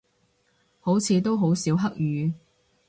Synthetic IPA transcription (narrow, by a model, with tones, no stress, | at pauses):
ho˨˥wt͡sʰiː˨˧t̪o˥wɦo˨˥wsiː˨˥wɦɐ˥k̚jyː˨˧